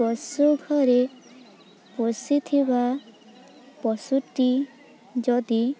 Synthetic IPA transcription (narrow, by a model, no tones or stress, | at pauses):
ɔsuɡʱɔɾe | posit̪ʰiba | pɔsuʈi | d͡ʒɔd̪i